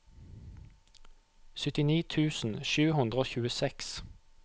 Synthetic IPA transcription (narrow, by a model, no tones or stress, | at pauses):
sʏt̪ɪniːt̪ʰʉːsn̩ʃʉːhʉnd̪ʁəoːçʉːəsɛks